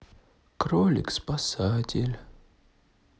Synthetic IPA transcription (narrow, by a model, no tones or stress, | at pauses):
kɾolʲɪ̰kspasatʲɪlʲ